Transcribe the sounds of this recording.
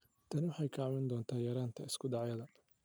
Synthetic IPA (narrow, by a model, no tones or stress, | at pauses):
t̪ʰɐnɪwʊħɑjkʰaːmɛnd̪ɔːnt̪ʰaːjɐɾaːnt̪ʰɐɪskʰʊd̪ɑʕjɐðɐ